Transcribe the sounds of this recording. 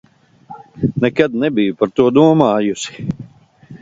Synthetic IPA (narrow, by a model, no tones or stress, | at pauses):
nɛkɐd̪̚nɛbijupɐɾt̪uəd̪uːəmaːjusɪ̥